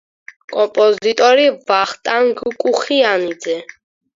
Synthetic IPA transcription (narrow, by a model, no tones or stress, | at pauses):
kʼɔmpʼɔzit̪ʼɔɾivaχt̪ʼaŋɡkʼuχianid̪zɛ